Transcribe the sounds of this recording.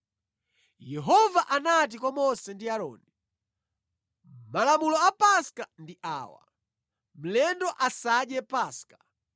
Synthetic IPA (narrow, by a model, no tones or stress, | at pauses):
jɛɦɔvaʔanat̬ikɔmɔsɛndiaɾɔ̰ːni | malamulɔapaskandiʔa̰ːwa̰ | m̩lɛndɔʔasaɗjɛpaːska